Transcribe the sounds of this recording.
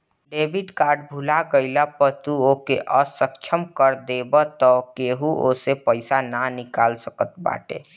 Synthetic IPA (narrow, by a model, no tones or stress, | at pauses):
ɖebiʈkaːɾɖbʱulaɡəɪlapəɾt̪uokeʔəsəkt͡ʃʰəmkəɾd̪ebət̪ɔkeɦuʔo̰sepəɪsananikaːlsəkət̪ba̰ːʈḛ